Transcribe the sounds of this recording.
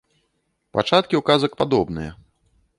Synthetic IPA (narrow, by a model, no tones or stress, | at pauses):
pat͡ʂat̪̚kʲiukazɐkpad̪ɔbnɨjɐ